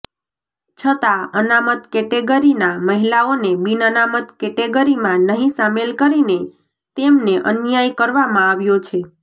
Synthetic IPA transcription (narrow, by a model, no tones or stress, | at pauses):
t͡ʃʰət̪aənamət̪kɛʈeɡəɾinaməɦilaonebinənamət̪kɛʈeɡəɾimãnəɦĩsamelkəɾine | t̪emneʔənjajkəɾʋamãaʋjot͡ʃʰe